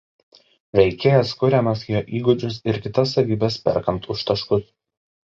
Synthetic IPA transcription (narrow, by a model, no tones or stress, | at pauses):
ʋʲɛɪkʲeːjɛskʊɾʲɛmɐsjoːʔiːɡʊd͡ʒʲʊsɪɾkʲɪt̪ɐsːɐʋʲiːbʲɛspʲɛ̰ɾkɐmt̪ʊʃt̪ɐʃkʊs